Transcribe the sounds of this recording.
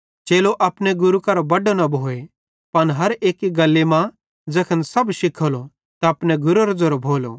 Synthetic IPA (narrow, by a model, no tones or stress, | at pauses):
t͡ʃeːloʔɐpneɡʊɾukɐɾobɐɖonɐbʱoːe | pɐnɦɐɾeːkːiɡɐlːemã | d͡zɐkʰənsɐbʃɪkʰolo | t̪aɐpneɡʊɾoɾd͡zɐɾobʱoːlo̰